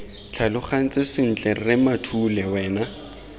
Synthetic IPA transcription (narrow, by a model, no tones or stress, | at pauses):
t͡ɬʰalʊχan̩t͡sʼɪsɪn̩t͡ɬʼɛrɪmatʰulɛwɛːna